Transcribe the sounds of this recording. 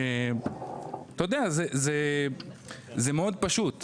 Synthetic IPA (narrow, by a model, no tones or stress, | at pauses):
e | t̪ajod̪eazeze | zemeo̞d̪̚paʃut̪